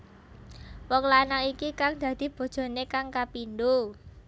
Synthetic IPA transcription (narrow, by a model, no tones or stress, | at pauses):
wɔŋlanaikikaŋd̪̥ä̤d̪̥i̤b̥o̤d̥ʒ̥ɔ̤nekaŋkapind̪o